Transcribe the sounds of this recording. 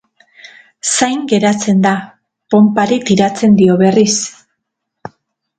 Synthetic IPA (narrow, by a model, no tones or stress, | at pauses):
sajŋɡe̞ɾat͡se̞nd̪a | po̞mpaɾit̪iɾat͡se̞nd̪io̞βe̞ris